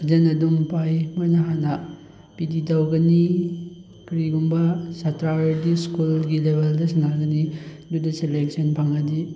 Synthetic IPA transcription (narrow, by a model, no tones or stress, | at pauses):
d͡ʒenɐduŋpajmojnɐɦanɐ | pididawɡɐni | kɾiɡumbɐsatɾaweɾdiskulɡilebʱeldɐsɐnaɡɐni | dudɐselek̚sɐnpʰaŋɐdi